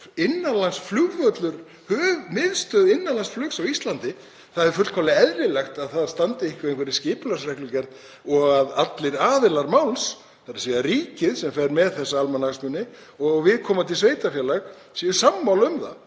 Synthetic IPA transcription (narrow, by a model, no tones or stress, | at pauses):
ɪnːalansflʏɣvœt̪lʏɾ | hœːɣmɪðst̪œðɪnːalansflʏksawist̪lant̪ɪ | θaðɛɾfʏt̪l̥kʰalɪɛðɾɪlɛxt̪aðθaðḁst̪ant̪ɪɪŋkvɪvejŋkvɛɾɪscɪːplasɾɛklʏcɛɾt̪ | ɔɣaðat̪lɪɾaːðɪlaɾmawls | θaɾḁsiðariːcɪðsɛmfɛɾmɛðθɛsːaalmanasmʏnːɪ | ɔɣɣvɪðkʰɔːmat̪ʰɪlsveːjt̪afjɛlaɣ | siːjʏsamːawlʏmθa̰